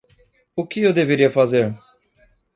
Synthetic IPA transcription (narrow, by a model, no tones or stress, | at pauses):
ʊkɪewd̪eveɾiɐfazeɾ